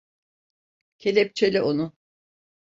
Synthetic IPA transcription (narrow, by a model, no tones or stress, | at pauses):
cʰe̞lʲep̚t͡ʃʰelʲɛʔonʊ